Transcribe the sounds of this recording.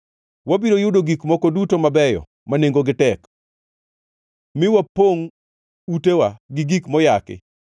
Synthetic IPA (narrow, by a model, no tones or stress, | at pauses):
wabiɾojʊdoɡikmɔkodutomabɛjɔ̰ | maneŋɡoɡɪtɛk | mɪwapoŋ | utewaɡɪɡikmɔjakɪ̰